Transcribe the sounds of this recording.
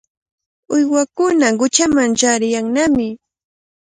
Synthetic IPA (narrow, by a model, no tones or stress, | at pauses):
ʊjwakʊnaɢʊt͡ʃamaŋt͡ʃaɾɪjaŋnamɪ